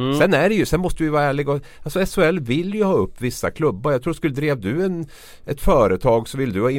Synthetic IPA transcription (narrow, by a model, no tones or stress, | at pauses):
sɛnæɖɛjɵsɛnmɔst̪əvɪjvɑːɾæːɭɪɡɔ | alsɔɛsʊɛlːvɪlːjɵhɑːɵpːvɪsːa̰kʰlɵbːaɾjɑɡt̪ʰɾuːskɵlːəd̪ɾeːvd̪ʉɛn | ɛt̪fœːɾət̪ʰɑːɡsɔvɪld̪ɵhɑːɪ